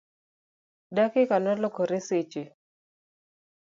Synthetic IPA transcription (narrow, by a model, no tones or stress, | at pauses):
dakɪkanɔlɔkɔɾeset͡ʃe